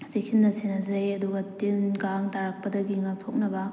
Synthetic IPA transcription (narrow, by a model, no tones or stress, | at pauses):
zek̚sinːɐsenɐzɐjɐduɡɐtinɡaŋtaɾɐk̚pɐdɐɡiŋak̚tʰok̚nɐbɐ